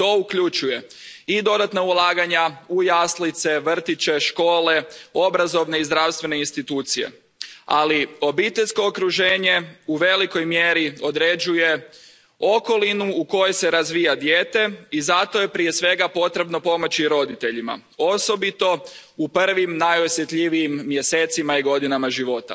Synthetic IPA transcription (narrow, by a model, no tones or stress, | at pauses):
t̪o̞ukʎut͡ʃuje̞ | id̪o̞d̪at̪naulˠaːɡaɲaujaslit̪se̞ʋr̩t̪it͡ɕe̞ʃko̞ːle̞o̞bɾazo̞ʋne̞izd̪ɾawst̪ʋe̞neinst̪it̪uːt̪sije̞̰ | a̰lio̞bit̪e̞ʎʲsko̞ːkɾuʒeːɲe̞uʋe̞liko̞jmjeɾio̞d̪ɾe̞d͡ʒuje̞ | o̞ko̞linuːko̞jese̞ɾazʋiːjad̪jeːt̪e̞izat̪o̞je̞pɾije̞sʋe̞ɡapo̞t̪ɾe̞bno̞po̞mo̞t͡ɕiɾo̞d̪it̪e̞ʎima̰ | o̞so̞bit̪o̞upr̩ʋimnajo̞sje̞t̪ʎiʋiimːje̞set̪simaiɡo̞d̪inamaʒiʋo̞t̪a̰